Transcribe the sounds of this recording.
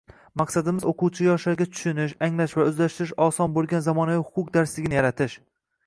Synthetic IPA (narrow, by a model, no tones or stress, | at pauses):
maqsad̪ɪmɪzoqʰʊwt͡ʃʰɪjjɒʃlaɾɡʲat̪ʰʊ̥ʃʊnɪʃaŋlaʃvaɵzlaʃt̪ɪɾɪʃɒsɒnbolˠɡʲanzamɒnavihʊqʰʊqd̪aɾslɪɡʲɪnɪjaɾat̪ʰɪʃ